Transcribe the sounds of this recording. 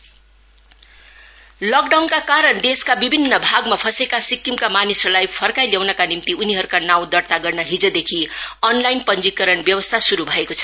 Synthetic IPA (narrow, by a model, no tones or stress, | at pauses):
lʌkɖawnkakaɾʌnd̪eskabibʱinːʌbʱaɡmapʰʌsekasikːimkamanisʌlajpʰʌrkajljawnʌkanimt̪iuniɦʌɾukanaw̃d̪ʌrt̪aɡʌrnʌɦid͡zʌd̪ekʰiʌnlajnpʌnd͡zikʌɾʌnbjʌwʌst̪ʰasuɾubʱʌekot͡sʰʌ̥